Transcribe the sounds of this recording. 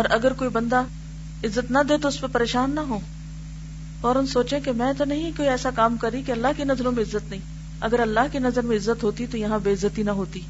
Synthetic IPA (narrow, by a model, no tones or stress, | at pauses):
ɔːɾʔɐɡəɾkoːibɐ̃nd̪a | ɪzːət̪nɐd̪eːt̪oʊspɐpɐɾeːʃaːnːɐɦõː | ɔːɾʊnsoːt͡ʃẽkemɛ̃ːt̪onɐɦĩkoːiɛːsakaːmkɐɾikeɐlːaɦkenɐzlõmẽɪzːət̪nɐɦĩː | ɐɡəɾɐlːaɦkenɐzəɾmẽɪzːət̪ɦoːt̪it̪ojɐɦãbeːɪzːət̪inɐɦoːt̪iː